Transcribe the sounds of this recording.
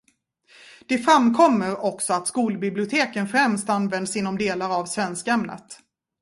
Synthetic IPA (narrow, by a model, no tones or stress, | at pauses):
d̪̥ɛfɾamkʰɔmːəɾɔksɔat̪skuːlbɪblɪʊt̪ʰeːkənfɾɛmst̪anvɛnd̪sɪnːɔmd̪eːlaɾavsvɛnskaɛmnə̰t̪